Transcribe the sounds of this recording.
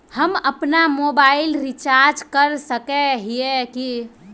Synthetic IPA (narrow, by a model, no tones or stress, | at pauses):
həməpnamobailɾit͡ʃaɾd͡ʒkəɾsəkɛɦieki